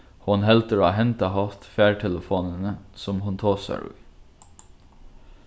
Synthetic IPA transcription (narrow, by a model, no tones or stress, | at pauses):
hʊnhɛlt̪əɹoːɦɛnt̪ɑhɑt̪fæːɹʈʰɛləfoːnənəsɔmhʊnt̪ʰoːsɑ̰ɹʉ̰ː